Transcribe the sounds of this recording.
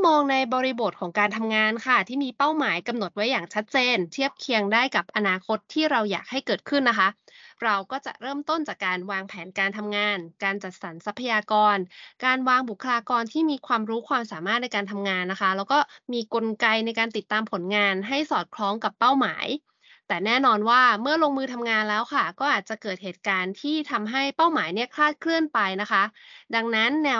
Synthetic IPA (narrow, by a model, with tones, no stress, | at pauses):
mɔː˧ŋna˧jbɔː˧ɾi˧bo˨˩t̪̚kʰɔː˩˦ŋkaː˧nt̪ʰa˧mŋaː˧nkʰa˥˩t̪ʰiː˥˩miː˧pa˥˩wmaː˨˩˦jka˧mno˨˩t̪̚wa˦˥jːaː˨˩ŋt͡ɕʰa˦˥t̪̚t͡ɕeː˧nt̪ʰi˥˩əp̚kʰi˧əŋdaː˥˩jka˨˩p̚ʔa˧naː˧kʰo˦˥t̪ʰːiː˥˩ɾa˧wja̰ː˨˩k̚ha˥˩jkɤː˨˩t̪̚kʰɯ˥˩nːa˦˥kʰa˦˥ɾa˧wkɔː˥˩t͡ɕa̰˨˩ʔɾɤː˥˩mt̪o˥˩nt͡ɕaː˨˩kːaː˧nwaː˧ŋpʰɛː˩˦nkaː˧nt̪ʰa˧mŋaː˧nkaː˧nt͡ɕa˨˩t̪̚sa˩˦nsa˦˥pʰːa˧jaː˧kɔː˧nkaː˧nwaː˧ŋbu˨˩kʰːa˧laː˧kɔː˧nt̪ʰiː˥˩miː˧kʰwaː˧mɾuː˦˥kʰwaː˧msaː˩˦maː˥˩t̪̚na˧jkaː˧nt̪ʰa˧mŋaː˧nːa˦˥kʰa˦˥lɛː˦˥wkɔː˥˩miː˧ko˧nka˧jna˧jkaː˧nt̪i˨˩t̪ːaː˧mpʰo˩˦nŋaː˧nɦa˥˩jsɔː˨˩t̪̚kʰlɔː˦˥ŋka˨˩pːa˥˩wma̰ː˩˦j | t̪ɛː˨˩nɛː˥˩nɔː˧nwaː˥˩mɯ˥˩ɐloː˧ŋmɯː˧t̪ʰa˧mŋaː˧nlɛː˦˥wkʰa˥˩kɔː˥˩ʔaː˨˩t̪̚t͡ɕa˨˩kɤː˨˩t̪̚heː˨˩t̪̚kaː˧nt̪ʰiː˥˩t̪ʰa˧mɦa˥˩jpa˥˩wmaː˩˦jni˥˩ɐkʰlaː˥˩t̪̚kʰlɯ˥˩ənpa˧jna˦˥kʰa˦˥da˧ŋna˦˥nːɛː˧